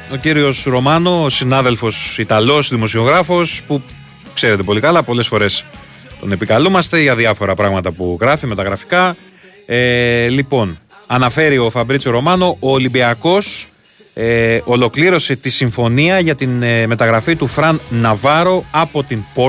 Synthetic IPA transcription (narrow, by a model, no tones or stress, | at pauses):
o̞ciɾio̞sɾo̞mɐno̞sinɐðe̞lfo̞sit̪ɐlo̞sðimo̞sio̞ɣɾɐfo̞spu | kse̞ɾe̞t̪e̞po̞likɐlɐpo̞le̞sfo̞ɾe̞s | t̪o̞ne̞pikɐlumɐst̪e̞ʝɐðiɐfo̞ɾɐpɾɐɣmɐt̪ɐpuɣɾɐfime̞t̪ɐɣɾɐfi̥kɐ | elipo̞nɐnɐfe̞ɾio̞fɐbɾit͡soɾo̞mɐno̞ʔoːlibiɐko̞s | eolo̞kliɾo̞se̞t̪isiɱfo̞niɐʝɐt̪inme̞t̪ɐɣɾɐfit̪ufɾɐnːɐvɐɾo̞ɐpo̞t̪inpo